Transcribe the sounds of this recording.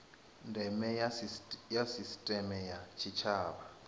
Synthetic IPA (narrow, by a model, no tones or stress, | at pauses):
ndʱɛmɛ | jasistʼɛmɛjat͡ʃʰit͡ʃʰaːɓa